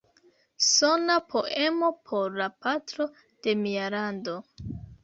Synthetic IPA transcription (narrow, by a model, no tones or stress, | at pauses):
so̞napʰo̞ʔe̞mo̞pʰo̞ɾlapatɾo̞ | d̥e̞mialando̞